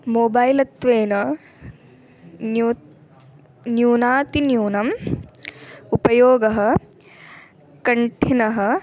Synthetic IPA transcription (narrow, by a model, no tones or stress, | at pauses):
moːbɐːjlɐt̪ʋeːnɐ | njuːnaːt̪injuːnɐm | upɐjoːɡɐɦɐ̆ | kɐɳʈʰinɐɦɐ̆